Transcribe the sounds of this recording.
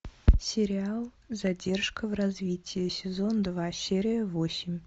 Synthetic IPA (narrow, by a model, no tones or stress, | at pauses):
sʲɪɾʲɪalˠ | zɐdʲe̞rʂkəvrɐzvʲitʲʰɪjɪsʲɪzo̞nd̪vasʲeɾʲɪjəvosʲɪmʲ